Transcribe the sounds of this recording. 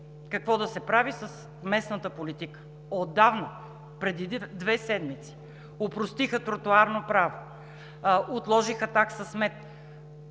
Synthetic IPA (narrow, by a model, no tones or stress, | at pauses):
kɐkvɔd̪ɐsɛpɾavisəs | mɛsnət̪əpolit̪ikə̥ | od̪ːavnə | pɾɛd̪id̪vɛsɛd̪mit̪si̥ | opɾost̪ixət̪ɾot̪ʊaɾnopɾavo | ʔot̪lˠɔʒixət̪aksɐsmɛt̪